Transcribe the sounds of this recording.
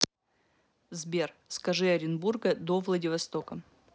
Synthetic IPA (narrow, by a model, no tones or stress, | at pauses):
zbʲerskɐʐɨɐɾʲɪnburɡəd̪ovlˠɐdʲɪvɐst̪okə